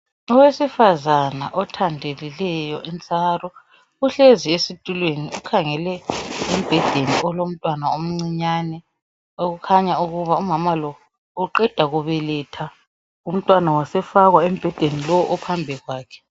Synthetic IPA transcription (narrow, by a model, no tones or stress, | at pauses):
ɔwesifazana̰ʔɔtʰandʱelilɛjɔʔint͡sʼarɔ | uɬeziesitʼulweniukʰaŋɛlɛim̩b̥ʱɛd̥ʱeniʔɔlom̩tʼwanaom̩ŋ͡ǀiɲanɛ | oɣukʰaɲauɣuβaumamalɔ | uǃɛd̥ʱaɣuβɛlɛtʰa | um̩tʼwanawasɛfaɣwaem̩b̥ʱɛd̥ʱenilɔwɔʔɔpʰambʱɛɣwaːkʰɛ̥